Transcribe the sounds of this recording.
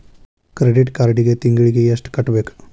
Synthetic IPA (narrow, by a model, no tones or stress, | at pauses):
kɾeɖiʈkaɾɖiɣet̪iŋɡiɭikːejesʈkɐʈːbek